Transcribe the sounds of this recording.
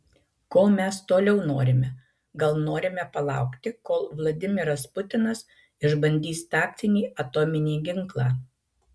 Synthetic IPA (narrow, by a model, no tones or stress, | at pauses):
koːmʲɛst̪oːlʲɛʊnoːɾʲɪmʲɛ | ɡɐlˠnoːɾʲɪmʲɛpɐlˠɑ̰ˑʊkt̪ʲɪkoːlˠʋlˠɐd̪ʲɪmʲɪɾɐspʊt̪ʲɪnɐs | ɪʒbɐnʲd̪ʲiːst̪ɑːk̚t̪ʲɪnʲiːʔɐt̪ɔːmʲɪnʲeːɡʲɪŋˑklˠɑː